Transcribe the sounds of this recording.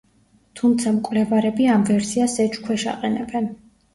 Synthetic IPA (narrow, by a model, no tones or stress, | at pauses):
t̪ʰumt̪sʰamkʼwvlɛvaɾɛbiamvɛɾsiasɛt͡ʃkʰwɛʃa̰qʼɛnɛbɛn